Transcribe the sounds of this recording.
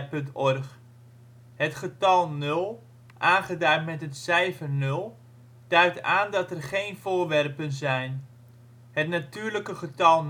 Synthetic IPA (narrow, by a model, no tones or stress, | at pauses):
pɵntɔrχ | hətχətɑlˠnɵlˠ | ʔaːnχədaɥtmɛtɦətsɛjvənɵlˠ | d̥œɥk̚taːndɑtərχejnv̥ʊːrʋɛrpənzɛjn | ɦətnatyːɹləkəχətɑlˠn